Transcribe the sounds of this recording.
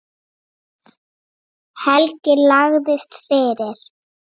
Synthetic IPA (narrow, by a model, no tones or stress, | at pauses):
hɛlcɪlaɣðɪst̪fɪːɾɪɾ̥